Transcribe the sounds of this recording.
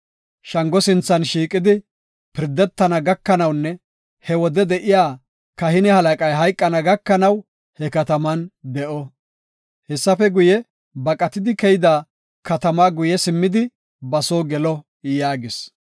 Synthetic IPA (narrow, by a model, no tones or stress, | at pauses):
ʃɐŋɡɔsɪnt͡sːɐnʃiːkʼːɪd̪ɪ | pɪɾd̪ɛt̪ːɐnɐɡɐkːɐnɐwnːɛ | hɛwɔd̪ɛd̪ɛʔɪjaː | kɐhɪnɛhɐlɐkʼɐjɦɐjkʼːɐnɐɡɐkːɐnɐw | hɛkɐt̪ɐmɐnd̪ɛʔɔ | hɛsːɐfɛɡʊjɛ | bɐkʼɐt̪ɪd̪ɪkɛjɪd̪aː | kɐt̪ɐmaːɡʊjɛsɪmːɪd̪ɪ | bɐsoːɡɛlɔ | jaːɡɪs